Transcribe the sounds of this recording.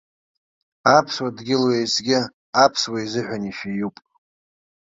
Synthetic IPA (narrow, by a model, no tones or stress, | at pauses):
apʰswadɡʲɪlwejt͡sʼɡʲɪ | apʰswaizɨħʷᶣaniʃijupʼ